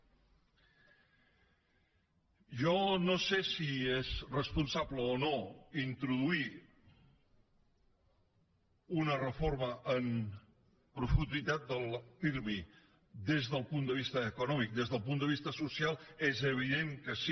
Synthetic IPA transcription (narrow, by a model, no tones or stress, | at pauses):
ʒɔnosesiezrəspunsabləonoint̪ɾuðui | unərəforməʔəm | pɾufund̪it̪at̪̚d̪əlˠfiɾmi | d̪ezðəlˠpund̪əβist̪əːkunɔmik̚d̪ezðəlˠpund̪əβist̪əsusialˠezəβ̞iðeŋkəsi